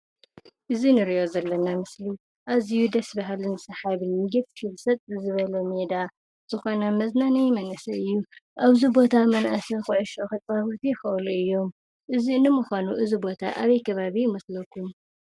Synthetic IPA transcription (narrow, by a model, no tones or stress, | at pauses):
ʔɨzinɨɾiʔo̞zɐlːɐnamɨsli | ʔaβzijud̪ɐsbɐɦalɨnɨsɐħaβɨnːɨɡɐffilsɐt̪ʼzɨβɐlɐmed̪a | z̥ɨxo̞namɐznanɐjmɐnɐsɐɨjːuʔaβzibo̞t̪ʰamɐnʔasɐxoʔɛʃoxɨt̪ʼbaβot̪ʰijɪxɨʔluɨjːo̞m | ʔɨziɨnːɨmuxʷanuʔɨzibo̞t̪ʰa̰ʔaβɐjkʰɐβaβijmɐslɐkʰum